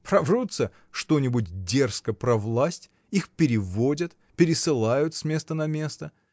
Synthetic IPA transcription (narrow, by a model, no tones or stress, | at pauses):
pɾɐvʐut̪sə | ʂt̪o̞nʲɪbʊtʲdʲe̞rskəpɾɐvlˠasʲtʲ | ixpʲɪɾʲɪvo̞dʲət̪ | pʲɪɾʲɪsɨlˠajʊt̪sʲmʲe̞st̪ənɐmʲe̞st̪ə